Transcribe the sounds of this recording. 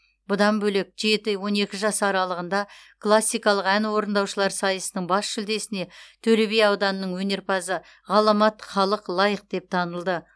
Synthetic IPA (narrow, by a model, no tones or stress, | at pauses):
bʊd̪ɑnbɵle̞k̚ʒe̞t̪ɪwo̞ne̞kʲɪʒɑsəɑɾɑlˠəʁənd̪ɑklˠasːijkɑlˠəqænwo̞ɾənd̪ɑwʃəlˠɑɾsɑjəsənəɴbɑsʃʏld̪e̞sɪne̞t̪ʰɵɾeβejɑwd̪ɑnənəɴwɵne̞ɾpʰɑzə | ʁɑlˠɑmɑt̪χɑlˠəqlˠɑjəq̚d̪̥e̞p̚t̪ʰɑnəlˠd̪ə